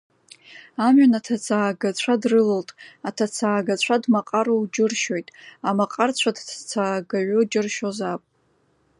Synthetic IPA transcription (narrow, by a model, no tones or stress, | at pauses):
amɥanatʰat͡sʰaːɡat͡sʷʰadrɨloltʼatʰat͡sʰaːɡat͡ɕʷʰadmaqʼaɾowd͡ʒɪrʃo̞jtʼamaqʼart͡ɕʷʰadʰt͡sʰaːɡaɥod͡ʒɨrʃozapʼ